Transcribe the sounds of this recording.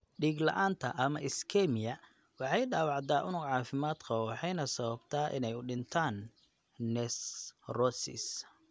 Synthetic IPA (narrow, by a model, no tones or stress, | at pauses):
ɖiːɡlɐ̰ʔaːnt̪ʰɐʔɐmɐʔɪskʰɛmɪjɐ | wɑħɑjɖaːwɑʕd̪aːʔʊnʊɡʕɑːfɪmaːd̪kʰɔwɑħɑjnɐsɐβɐbt̪ʰaːʔɪ̰nɛjʊɖɪnt̪ʰaːnː | ɛsrɔsɪ̰s